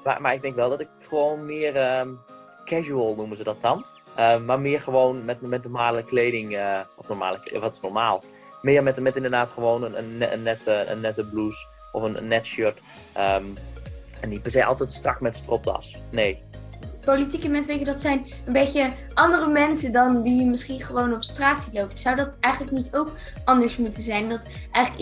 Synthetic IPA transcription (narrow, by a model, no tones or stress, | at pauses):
ma̰maɪɡ̚dɛŋkʋɛlˠdɔtɪkχəʋoːnmɪːərə | kʰɛʒuəlˠnumənzədɔtɑn | ʔəmarmɪːərχəʋoːnmɛtmɛtnɔrmaːləkleːdɪŋəɔfnɔrma̰ːləkl̰ʋɔtɪ̥snɔrmaːlˠ | mɪːərmɛtmɛtɪndərdaːtχəʋoːnənənənːɛtəə̰nːɛtəblus | ʔɔfənnːɛtʃøt | ə | ɛndipɛɹsejʔɑ̰lˠtɛjtstrɑ̰kmɛtstrɔp̚dɑ̰sneːpolitikəmɛnsʋejtjədɑtsɛjn | ənbejtə | ʔɑndərəmɛnsədɑndijəmɪsχiχəʋownɔpstraːtsitlowpəsawdɑtɛjχənləknitʰowk | ɑndəɹsmutəzɛjndɑtʔɛjχlək